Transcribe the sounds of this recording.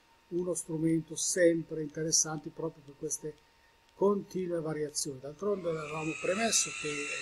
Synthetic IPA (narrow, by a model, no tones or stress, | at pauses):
unost̪ɾument̪osɛmpɾeint̪eɾesːant̪ipɾɔːpɾjoperkːwest̪e | kont̪iːnuevaɾjat̪sːjoːnid̪alt̪ɾond̪eɾavaːmopɾemesːok̟e